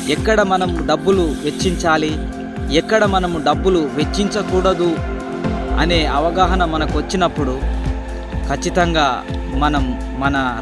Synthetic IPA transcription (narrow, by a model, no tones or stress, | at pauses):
ɛkːɐɽɐmɐnɐmuɖɐbːuluʋet͡ʃːiɲt͡ʃaːli | ɛkːɐɽɐmɐnɐmuɖɐbːuluʋe̞t͡ʃːiɲt͡ʃɐkuːɽɐd̪u | ɐne̞ːɐʋɐɡaːɦɐnɐmːɐnɐkuʋɐt͡ʃːinɐpːuɽu | kʰɐt͡ʃːit̪ɐŋɡaː | mɐnɐmː | ɐnɐ